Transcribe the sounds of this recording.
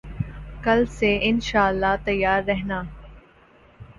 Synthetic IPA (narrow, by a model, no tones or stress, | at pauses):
kɐlseʔɪnʃaːəlːaːt̪ɐjːaːɾːɛɦnaː